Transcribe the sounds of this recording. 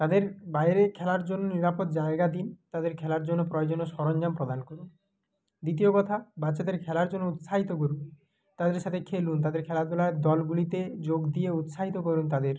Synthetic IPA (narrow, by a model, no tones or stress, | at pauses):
t̪ad̪eɾbajɾekʰɛlaɾd͡ʑonːoniɾapot̪̚d͡ʑaeɡad̪int̪ad̪eɾkʰɛlaɾd͡ʑonːopɾɔjod͡ʑonoʃɔɾɔnd͡ʑampɾod̪ankoɾun | d̪it̪̬iokɔt̪ʰabat͡ɕad̪eɾkʰɛlaɾd͡ʑonːout̪ʃaɦit̪okoɾu | t̪ad̪eɾʃat̪ʰekʰelunt̪ad̪eɾkʰɛlad̪ɔlaed̪ɔlɡulit̪ed͡ʑoɡd̪ieut̪ʃaɦit̪okoɾunt̪ad̪eɾ